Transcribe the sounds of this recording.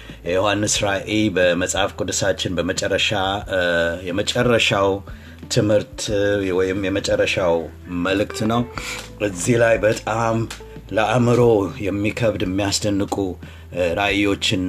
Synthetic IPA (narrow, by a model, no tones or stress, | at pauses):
jɛjo̞hanːɨsɾaʔelbəməsʼhafkʼud̪ɨsat͡ʃːɪnbəmət͡ʃʼɛrːəʃa | jɛmət͡ʃʼɛrːəʃaw | t̪ʰɨmhɨɾt̪wɔjɪmjɛmət͡ʃʼɛrːəʃaw | məlɨkt̪nəwɨzːihlajbət̪ʼam | ləʔamɨɾo̞jɛmːikʰəβd̪jɛmːijasd̪ənːɨkʼu | ɾajːo̞t͡ʃːɪn